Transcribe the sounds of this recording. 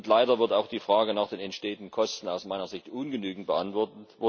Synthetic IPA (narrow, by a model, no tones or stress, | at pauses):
ntlaɪɾɐvɪɐtaʊxd̥iːfʁ̥aːɡənaːχd̥eːnɛntʃteːəndn̩kʰɔstn̩aʊsmaɪnɐzɪçtʔʊnɡənyːɡŋ̩t̚b̥əʔantv̥ɔɐtət